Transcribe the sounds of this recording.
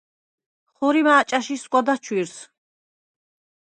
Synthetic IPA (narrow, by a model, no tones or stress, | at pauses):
χuɾimaːt͡ʃʼaʃiskʷʼad̪at͡ʃʰwiɾs